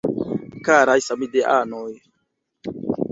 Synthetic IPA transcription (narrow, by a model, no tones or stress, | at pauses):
kaɾajsamideʔanoj